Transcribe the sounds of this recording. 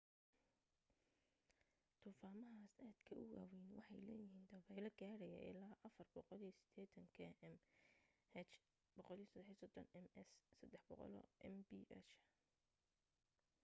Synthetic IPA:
t̪ʰuːfaːmɐɦaːsaːd̪̥kʰɐʔʊwa̰ːwɛːnwɑħɑjlɛ̰ːjɪɦiːnd̪ɐβɛlɐɡaːɽɛjɐ̰ʔɪ̰laːʔɐfɐrbɔqɔlijɔsɪ̥d̪̥ɛːt̪ʰɐŋkʰɛɛm | hɛt͡ʃ | b̥ɔqɔlijsɐd̪ɛħisɔd̪ɔnɛmɛssɐd̪ɛħbɔqɔ̰lɔ̰ʔɛmbiʔɛt͡ʃ

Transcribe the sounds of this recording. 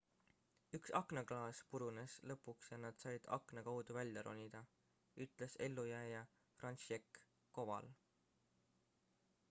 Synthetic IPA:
yksɑkˑnɑɡlɑːspuɾuneslɤpːˑuksjɑnɑd̪̥sɑjd̪̥ɑ̰kˑnɑkɑwd̪̥uvælʲjɑɾo̰nʲid̪̥ɑ | yt̪ˑle̞se̞lːujæːjɑ | frɑnsekː | o̞vɑ̰l

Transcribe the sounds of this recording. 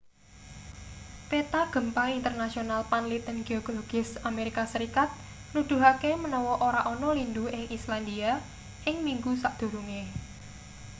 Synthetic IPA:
wet̪aɡ̥ə̤mpaint̪ərnasionalpanlit̪ənɡ̥eɔɡ̥lɔɡ̥ɪ̤sameɾikasəɾikat̪̚ | nud̪̥ṳɦakemənɔwɔʔoɾaʔɔnɔlind̪uɪŋisland̪ia | ɪŋmiŋɡusaʔd̪̥ṳɾuŋe

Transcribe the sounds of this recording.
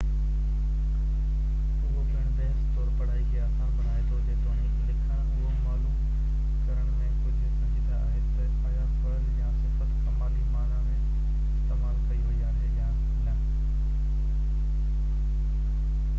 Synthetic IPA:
ʊɦobʱɪɽ̃beɦst̪oːɾpɐɽ̤aːiɡɪjaːsãbʱɐnaːet̪ʰod͡ʑeːd̪oːnĩːtleːkʰã | ɦomaːlũː | kɐɾəɽ̃mẽ | d͡ʑɪ̃sɐ̃d͡ʑiːd̪a̰a̰ːɦet̪ɐsaːjapʰɐɽənjãsɪfət̪kɐmaːlimaːlãmẽ | ɪɪst̪eːmaːlkɐiɦoiaːɦejãː | ãː

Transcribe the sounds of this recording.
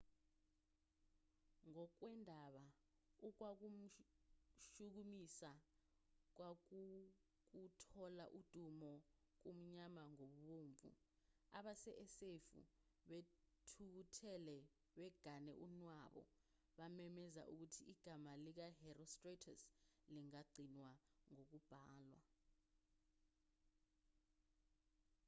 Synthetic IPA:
ŋɔk̬wɛndʱaɓa | uk̬wak̬um̩ | ʃuk̬umisa | k̬wak̬u | k̬utʰɔla̰ʔud̥ʱumɔ | k̬um̩ɲamaŋoɓuɓoːɱvṵ | a̰ɓasɛʔɛsefṵɓetʰutʰɛlɛ | ɓɛɡ̥ʱanɛʔunwaɓɔ̰ | ɓamɛmɛza̰ʔuk̬utʰiiɡ̥ʱamalik̬aɦɛrɔstretʰasliŋaɡ͡ǀʱinwaŋok̬ub̥ʱaːlwa̰

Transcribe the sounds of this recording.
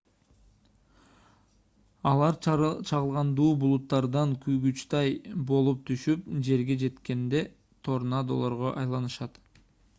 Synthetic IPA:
ɑlˠɑɾt͡ʃʰɑʁɯlˠʁɑnd̪uːbulˠut̪ːɑɾd̪ɑŋkyjɡyt͡ʃt̪ɑjbo̞lˠup̚t̪ʰyʃyp̚d͡ʒe̞ɾɡe̞d͡ʒe̞t̪ke̞nd̪e̞ | t̪ʰo̞ɾnɑd̪o̰lˠo̞ɾʁoʔɑjlˠɑnɯʃɑt̪

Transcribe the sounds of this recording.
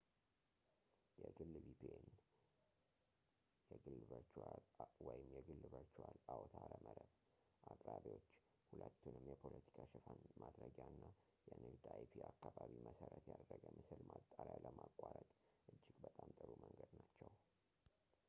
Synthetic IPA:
jɛɡɨlːbipʰeen | jɛɡɨlːβət͡ʃalwɔjɪmjɛɡɨlːɨbəɾt͡ʃwalawt̪ʰaɾəməɾəβ | ʔakʼɾaβio̞t͡ʃː | hulət̪ːunɨmjɛpʰolʔət̪ʰi̥kʰaʃɨfanmʔad̪ɾəɡaɨnːa | jɛnɨd̪ajpʰiakːaβaβiməsəɾət̪jad̪rəɡəmɨsɨlmat̪ʼːaɾjaləmakʼːaɾət̪ʼʔɨd͡ʒːɪɡbət̪ʼamt̪ʼəɾuməŋɡəd̪nat͡ʃːɛw

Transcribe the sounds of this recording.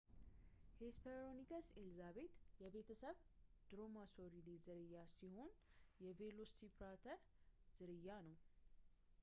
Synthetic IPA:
hespʰeɾonikʰəselzaβe̞t̪jɛbe̞t̪ʰəsəβd̪̥ɾo̞masoɾid̪izɨɾɨjːasiho̞n | jɛve̞losipɾat̪ʰəɾ | z̥ɨɾɨjːanəw

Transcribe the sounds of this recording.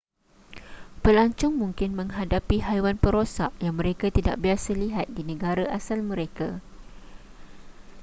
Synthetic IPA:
pəlaɲt͡ʃʊŋmũŋkɪnmə̃ŋɦadapiɦajwanpəɾosaʔjaŋmə̃ɾekat̪ida̰ʔbiasəliɦat̪̚dinə̃ɡaɾaʔasalmə̃ɾeka

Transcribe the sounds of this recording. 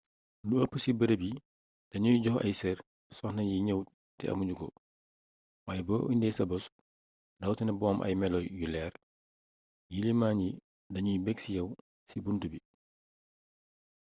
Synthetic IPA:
luɐpːəsibɐɾebi | d̥ɐɲujɟɔhɐ̰jsɛr | sɔxnɐjiɲəw | tɛ̰ʔɐ̰muɲɟukɔ̰ | waːjboːʔundɛsɐbɔs | dɐwtɛnɐbɔːmʔɐ̰jmɛlɔjulɛːɾ | jilimaːɲi | dɐɲujibɛksijɐw | sibuntubi

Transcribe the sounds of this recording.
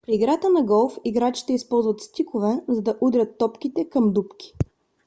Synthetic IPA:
pɾiːɡɾat̪ənɐɡɔlˠfiɡɾat͡ʃi̥t̪ɛispɔlˠzvət̪st̪ikʊvɛzɐd̪ɐʔud̪ɾʲət̪ːɔpk̟it̪ɛkəmd̪upkʲi̥

